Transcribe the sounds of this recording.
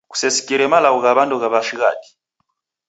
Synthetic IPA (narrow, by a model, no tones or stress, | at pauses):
ku̥sɛsi̥kʼiɾɛmalaɣɔɣaβandɔɣaβaʃiɣa̰di̥